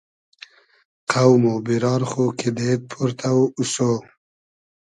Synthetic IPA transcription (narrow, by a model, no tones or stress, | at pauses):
qʰawmobiɾɑːɾχokʰid̪et̪̚pʰuɾt̪ʰawuso